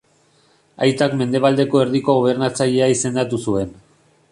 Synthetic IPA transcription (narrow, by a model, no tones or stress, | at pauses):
a̰jt̪akme̞nd̪e̞β̞ald̪e̞ko̞eɾðiko̞ɣo̞β̞e̞ɾnat͡saʎe̞aise̞nd̪at̪usue̞n